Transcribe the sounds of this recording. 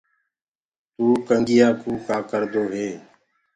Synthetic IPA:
t̪uːkəŋɡɪjaːkuːkaːkəɾd̪oːɦeː

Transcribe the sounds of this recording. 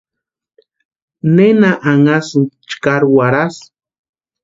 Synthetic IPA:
nenaʔaŋasut͡ʃkaɾwaɾas

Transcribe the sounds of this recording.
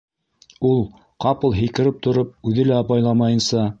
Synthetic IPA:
ulˠ | qɑpɤ̆lˠɦɘ̆jkɘ̆ɾɘp̚t̪ʰŏɾop̚ʉðɘlæɑpɑjlˠɑmɑjɤ̆nsɑ

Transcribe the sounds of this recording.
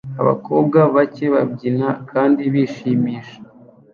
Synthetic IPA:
a̰βa̰ko̞ːb̚ɡaβaceβabɟinakʰaːndiβiːʃimiːʃḁ

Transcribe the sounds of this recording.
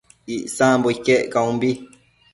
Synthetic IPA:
iʔsãːmboikeʔkaũmbi

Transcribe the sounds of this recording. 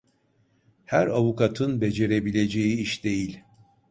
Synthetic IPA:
hæɾavukʰat̪ʰɯnbe̞d͡ʒe̞ɾe̞bilʲe̞d͡ʒe̞jiiʃd̪̥e̞jilʲ

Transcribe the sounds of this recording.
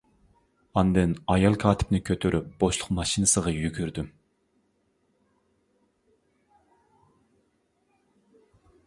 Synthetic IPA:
ɑnd̪ɨnɑjɑlˠkʰɑːt̪ʰɪ̥pnɪkʲʰøt̪ʰøɾʔyp̚b̥oʃlˠʊqmɑʃinɨsəʁɑjyɡʲyɾd̪ym

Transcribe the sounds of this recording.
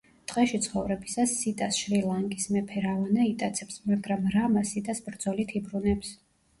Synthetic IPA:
d̪ʼqʼɛʃit̪sʰχɔvɾɛbisasːit̪ʼasʃɾilˠaŋkʼismɛpʰɛɾavanait̪ʼat̪sʰɛpsmaɡɾamɾamasit̪ʼasbɾd̪z̥ɔlit̪ʰibɾunɛps

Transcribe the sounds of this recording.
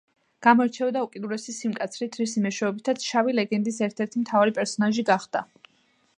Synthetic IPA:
ɡ̥amɔɾt͡ʃʰɛvd̪aukʼid̪uɾɛsisimkʼat̪sʰɾit̪ʰɾisimɛʃwɛɔbit̪ʰat̪sʰʃavilɛɡɛnd̪isɛɾt̪ʰɛɾt̪ʰimt̪ʰavaɾipʼɛɾsɔnaʒiɡaχd̪̥a

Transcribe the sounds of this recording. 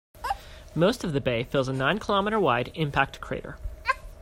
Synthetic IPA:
moʊstʌvðɨbeɪfɪlˠzənãɪ̃nkʰəlɑməɾə˞waɪɾɪ̃mpʰæk̚tkʰɹ̥ḛɪɾə̰˞

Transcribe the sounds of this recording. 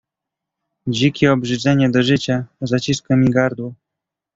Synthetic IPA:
d͡ʑikʲiɔbʐɘd͡zɛɲɛd̪ɔʐɘt͡ɕazat͡ɕiskɔmʲiɡaɾd̪wɔ

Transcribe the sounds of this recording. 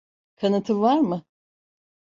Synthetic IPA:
kʰanɯt̪ʰɯvaɾmɯ

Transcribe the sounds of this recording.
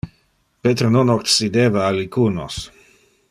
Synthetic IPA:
pet̪ɾononoksid̪eːvaːlikuːnos

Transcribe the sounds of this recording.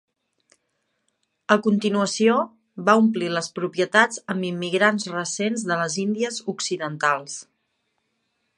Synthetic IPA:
əkunt̪inuəsio | βaumpliləspɾupjət̪ad͡zəmbimːiɣɾanzrəsenzðələzind̪iəzuksiðənt̪alˠs

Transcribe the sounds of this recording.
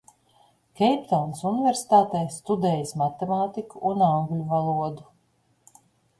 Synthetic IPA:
kʲɛjpt̪ɔlnsunivʲeɾsi̥t̪aːt̪ɛjst̪ud̪ɛːjəsmat̪emaːt̪ikuʔːnaŋɡlʲuvalˠuɔd̪u

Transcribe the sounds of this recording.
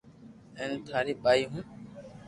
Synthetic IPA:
ent̪ʰaːɾiːɓaːiːɦũ

